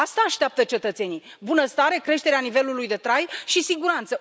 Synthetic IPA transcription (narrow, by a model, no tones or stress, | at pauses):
ast̪aːʃt̪eap̚t̪ət͡ʃe̞t̪ət̪se̞ni | bunəst̪aɾe̞kɾe̞ʃt̪e̞ɾeanive̞lulujd̪e̞t̪ɾajʃisiɡuɾant̪sə